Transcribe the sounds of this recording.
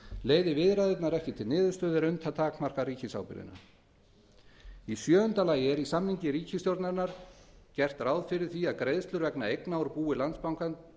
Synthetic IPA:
leːjðɪvɪðɾajðɪt̪naɾɛhcɪt̪ʰɪlnɪːðʏɾst̪œːðɪɾʏnt̪ʰat̪ʰaːkmar̥kaɾiːcɪsa̰wpɪ̰ɾɪ̰na̰ | isjœːʏnt̪alaːjɛɾisamniɲcɪɾiːcɪst̪jowɾt̪naɾnaɾ̥cɛr̥t̪raːwðfɪɾɪɾ̥θiaðkɾejðst̪lʏɾvɛknaejknaɔɾpuːɪlant̪spawŋkan

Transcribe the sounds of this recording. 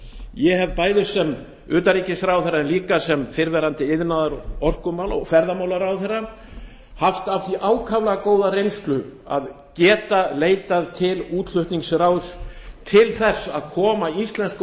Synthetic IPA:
jɛhɛvpaːjðʏsɛm | ʏːt̪aɾiːcɪsɾawθɛrːaɛnliːkasɛmfɪɾvɛːɾant̪ɪɪðnaðaɾɔr̥kʏmawlɔ̰ɣfɛɾðamawlaɾawθɛrːa | haft̪avθiʔaːwkʰavlakoːwðaɾejnst̪lʏ | a̰ð | cɛːt̪aleːjt̪aðt̪ʰɪluːt̪ʰl̥ʏht̪niŋksɾawst̪ʰɪlθɛsːa̰ðkʰɔːmaist̪lɛnsk

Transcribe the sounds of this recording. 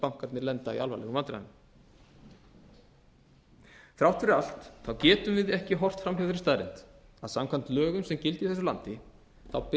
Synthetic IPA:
pawŋ̥kaɾt̪nɪɾlɛnt̪aḭalvajlɛ̰ɣʏmant̪ɾa̰ðn | θɾawht̪ʰʏɾɪal̥t̪θawcɛːt̪ʏmvɪðɛhcɪɦɔr̥t̪fɾamhawθɾɪst̪aːðɾɪ̰nt̪aðsamkʰvan̥t̪lœːɣʏmsɛmcɪlt̪ɪiθɛs̬ʏla̰nt̪ɪ | θawp

